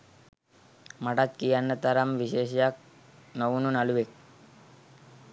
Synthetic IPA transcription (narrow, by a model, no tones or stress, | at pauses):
mɐʈat̪kijanːɐt̪ɐɾɐmʋiʃeːʃ̬jak̚ | noʋununɐluʋek̚